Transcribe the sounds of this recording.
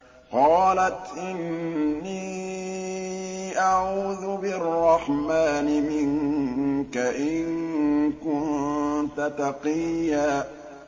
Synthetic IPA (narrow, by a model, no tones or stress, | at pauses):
qɑːlat̪ʔɪnːiː | ʔaʕuːðʊbɪrˤːɑħmaːnɪmɪŋ | kaʔɪŋkʊnnt̪at̪ɑqijːaː